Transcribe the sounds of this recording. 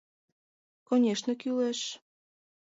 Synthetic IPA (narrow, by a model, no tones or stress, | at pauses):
konʲeʃnəkyleʃ